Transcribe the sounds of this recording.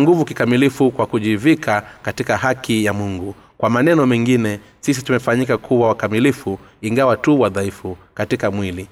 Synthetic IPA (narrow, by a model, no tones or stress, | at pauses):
ŋɡuvukikamilifukwakuʄivikʰakatikahakijamuŋɡu | kwamanɛnɔmɛŋɡinɛ | sis̬itumɛfaɲikakʰuwawakamilifu | iŋɡawatuwaðaifukatikamwili